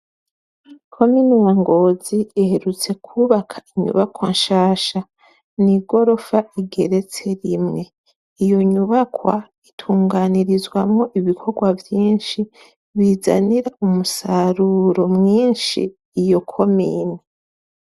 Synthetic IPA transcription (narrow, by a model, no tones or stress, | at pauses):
kʰo̞minijaŋɡo̞ːziːhe̞ɾut͡se̞kʰuːβakʰḁiɲṵβakwanʃaːʃa | niɡo̞ɾo̞faiɡe̞ɾe̞t͡se̞ɾimŋe̞ | ijo̞ɲuβakwa̰ | itʰuːŋɡaːniɾizwamŋo̞ʔiβikʰo̞ɾɡwavjiːnʃi | βiːza̰niɾaumusaɾuːɾo̞mŋiːnʃḭː | jo̞kʰo̞mḭːni